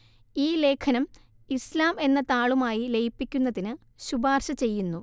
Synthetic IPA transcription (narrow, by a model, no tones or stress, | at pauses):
iːle̞ːkʰɐnɐm | islaːme̞nːɐt̪aːɭumaːjilejipːikʲːunːɐðinɨ | ɕubaːrɕɐt͡ɕe̞jːunːu